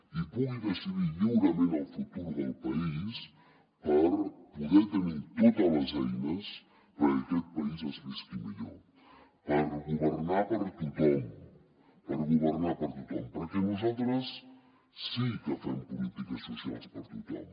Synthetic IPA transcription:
ipuɣiðəsiðiʎuwɾəmenəlˠfut̪uɾðəlˠpɐis | pəɾpuðɛt̪ənit̪ot̪ələzɛjnəs | pəəkɛt̪̚pəizəzmiskiməʎo̰ | pəɾɣuβərnapəɾt̪ut̪ɔm | pəɾɣuβəɾnapəɾt̪ut̪ɔ̰mpəɾkɛnuzalˠt̪ɾəsː | ikəfampulit̪ikəsusia̰lˠspəɾt̪ut̪ɔ̰m

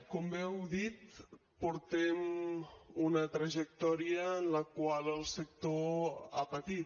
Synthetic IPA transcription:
kombɛwðit̪ | puɾt̪ɛm | unət̪ɾəʒək̚t̪ɔɾiəːnləkwaləlˠsək̚t̪oapət̪it̪

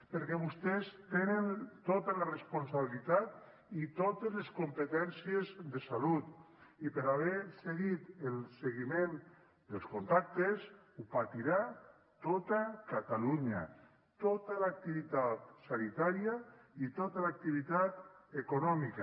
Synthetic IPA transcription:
peɾkɛβust̪ɛst̪enent̪ot̪alarespunsaβilit̪at̪̚ | it̪ot̪ezleskumpet̪ɛnsiezðesalut̪ | ipeɾaβɛseɣit̪elseɣimẽn | d̪elˠskunt̪ak̚t̪es | upat̪iɾa | t̪ot̪akat̪aluɲa̰ | t̪ot̪alak̚t̪iβit̪at̪̚sanit̪aɾiait̪ot̪alak̚t̪iβit̪at̪ekunɔmika

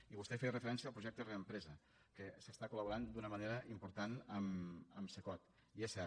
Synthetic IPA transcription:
iβust̪ɛferəfəɾɛnsiəːpɾuʒɛk̚t̪əreəmpɾɛzə | kəsəst̪akuləβuɾand̪unəməneɾəʔimpuɾt̪anəməmsəkɔt̪ | iɛsɛ

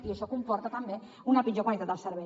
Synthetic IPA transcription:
iəʃɔkumpɔɾt̪ət̪əmbe | unəpid͡ʒokwalit̪at̪d̪əlˠsəɾβɛ

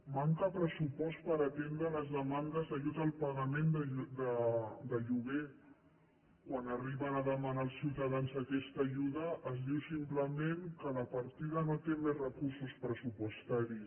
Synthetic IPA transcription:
maŋkəpɾəsupɔst̪pəɾat̪end̪ɾələzðəmand̪əzðəʒut̪aːlˠpəɣəmend̪əd̪əd̪əʒuβe | kwanariβənəðəmanaːlˠsːiwt̪aðanzakɛst̪əʒuðəʔəzðiwsimpləmeŋkələpaɾt̪iðənot̪emezrəkuɾsuspɾəsupust̪aɾi

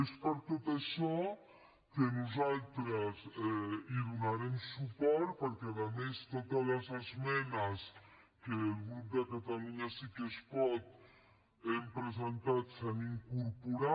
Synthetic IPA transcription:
espəɾt̪ot̪əʃɔ | kənuzalˠt̪ɾəzɛiðunaɾemsupɔɾt̪̚pəɾkɛaðəmest̪ot̪aləzəzmɛnəs | keːlɣɾup̚d̪əkat̪aluɲasikespɔt̪ | empɾəzənt̪at̪seniŋkuɾpuɾa

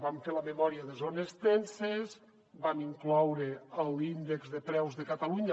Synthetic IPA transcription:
baɱfeləmemɔɾiaðezonest̪ensez | baniŋklɔwɾeəlˠind̪ekzðepɾɛwzðekat̪aluɲ

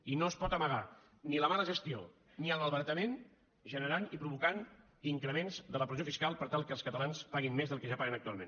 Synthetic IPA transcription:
inoəspɔt̪əməɣ̞a | niləmaləʒəst̪io | niəlˠməlˠβəɾt̪əmen | ʒənəɾanipɾuβukan | iŋkɾəmenzðələpɾəziofiskalˠpəɾt̪alˠkəlˠskət̪əlanspaɣinmezðəlˠkəʒapaɣənək̚t̪ualmḛn

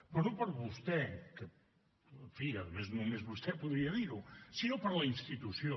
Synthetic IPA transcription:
pɐɾũpɐɾβust̪ɛkɨ | fiɐðmeznũmezβust̪ʰɛpuðɾiɐðiɾusiewpɐɾlɐĩst̪it̪usjõ

